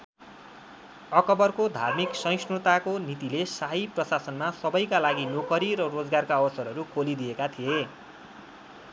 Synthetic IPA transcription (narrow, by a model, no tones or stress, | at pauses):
ʌkʌbʌrkod̪ʱa̰rmiksʌ̃j̃snut̪akonit̪ilesaɦiprʌsasʌnmasʌbʌjkalaɡinokʌɾiɾʌrod͡zɡarkaʌbʌsʌɾʌɾukʰolid̪iekat̪ʰije